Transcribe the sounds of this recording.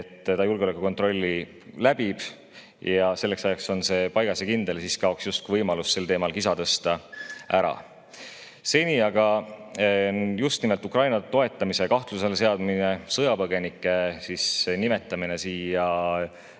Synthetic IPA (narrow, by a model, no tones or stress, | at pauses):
t̪ːt̪ɑjulɡeole̞kːuko̞nt̪ˑro̞lʲːi | læb̥ib̥ | jɑse̞lːe̞ksɑjɑkso̞nse̞pɑjɡ̥ɑsekind̪̥e̞lsiskɑo̞ksjust̪̚kuvɤjmɑlusse̞lt̪e̞ːmɑlkisɑt̪ɤst̪ɑʔæɾɑ̰ | se̞nʲiɑɡ̥ɑ | just̪nimelt̪ukrɑjnɑt̪o̞e̞t̪ːˑɑmise̞kɑht̪luse̞lse̞ɑd̪mine̞sɤjɑpɤɡ̥e̞nikːˑe̞sisnime̞t̪ːˑɑmine̞siːjjɑ